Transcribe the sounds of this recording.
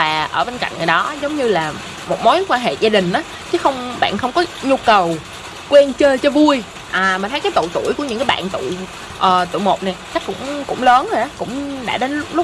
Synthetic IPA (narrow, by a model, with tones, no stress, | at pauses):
vaː˨˩ʔəː˧˩ɓe˧nka̰˧˨jŋ̟ŋɨː˨˩jɗɔ˨˦zə˨˦wŋ͡mɲɨ˧laː˨˩ | mo˨˩t̚mo˨˦jkwaː˧nɦḛ˧˨zaː˧ɗï˨˩ŋ̟ʔaː˨˦ | t͡ɕɨ˨˦xə˧wŋ͡mɓa̰ː˧˨nxə˧wŋ͡mkɔ˨˦ɲu˧kə˨˩w | kwɛ˧nt͡ɕəː˧t͡ɕɔ˧vu˧əj | ʔaː˨˩maː˨˩t̪ʰə˨˦jkːaː˨˦jt̪ṵ˧˨jt̪ṵ˧˩jku˧˩ɲɨ̰˧˥ŋkaː˨˦ɓa̰ː˧˨nt̪ṵ˧˨ | ʔəː˨˩t̪ṵ˧˨jmo˨˩t̚nɛ˨˩t͡ɕa˦˥k̚kʊ̰˧˥ŋ͡mkʊ̰˧˥ŋ͡mləː˨˦nho˨˩jʔa˨˦kʊ̰˧˥ŋ͡mɗa̰ː˧˥ɗe˨˦nlʊ˦˥k͡p̚lʊ˦˥k͡p̚